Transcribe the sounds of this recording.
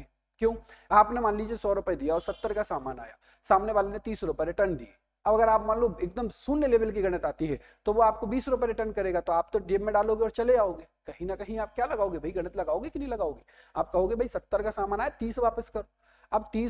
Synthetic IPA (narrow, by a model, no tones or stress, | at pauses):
kjõːaːpnemãːnlid͡ʒiesɔːɾʊpəed̪ijaɔːɾsɐt̪ːəɾkasaːmaːna̰ːjaː | saːmneʋaːlenet̪iːsɾʊpɛɾeʈɐnd̪ḭe | ɐbɐɡəɾaːpmaːnluːbeːk̚d̪əmsuːnːeleːbəlk̬iɡʱɐɽ̃ət̪aːt̪iɦɛ | t̪oʋoaːp̚kobiːsɾʊp̬eɾeʈənkɐɾeːɡat̪oaːpt̪oɖeːbmẽɖaːloːɡeɔːɾt͡ʃɐleaːoːɡeːkɐɦĩnɐkɐɦĩaːp̚kjaːlɐɡaːoːɡebʱɐiɡʱɐɽ̃ət̪lɐɡaːoːɡikinɐɦĩlɐɡaːoːɡiː | aːp̚kɐɦoːɡebʱɐisɐt̪ːəɾkasaːmaːnaːjet̪iːsʋaːpəskɐɾo | abt̪iː